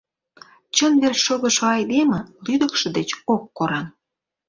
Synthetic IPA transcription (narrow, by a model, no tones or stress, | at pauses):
t͡ɕənβerʃoɣə̆ʃoɑjd̪emə̆lyd̪əkʃɤ̆d̪et͡ɕokːoɾɑn